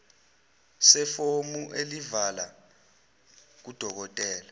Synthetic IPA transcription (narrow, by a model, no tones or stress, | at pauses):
sɛfomuʔelivala | k̬ud̥ʱɔk̬ɔtʼɛːla